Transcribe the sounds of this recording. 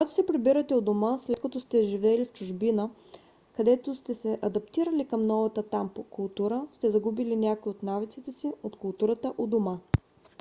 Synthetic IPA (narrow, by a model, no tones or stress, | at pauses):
koɡat̪o̥sɛpɾibiɾɐt̪ɛod̪omaslɛt̪̚kɐt̪ɔst̪ɛʒivɛlift͡ʃʊʒbinə | kɐd̪ɛt̪ost̪ɛsɛʔɐd̪ɐpt̪iɾəlikɐmnɔvɐt̪ət̪ampokʊlˠt̪uɾəst̪ɛzɐɡubilinʲakoiot̪navit̪sit̪ɛsiot̪kʊlˠt̪uɾət̪əʔod̪oma